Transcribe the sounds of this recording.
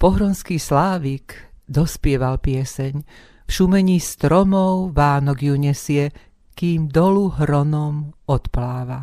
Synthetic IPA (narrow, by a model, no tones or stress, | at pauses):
pɔɦɾɔnskiːslaːʋikd̪ɔspɪɛʋalpɪɛsɛɲ | fʃumɛɲiːst̪ɾɔmɔʊʋaːnɔɡjuɲɛsɪɛ | kiːmd̪ɔluɦɾɔnɔmɔt̪plaːʋa